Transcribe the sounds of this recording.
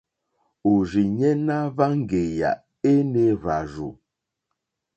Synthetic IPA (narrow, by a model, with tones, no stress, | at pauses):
o˨ʒi˨ɲɛ˦na˦va˦ŋ̩˦˨ɡe˨ja̰˨ | e˦ne˦βa˨ʒu˨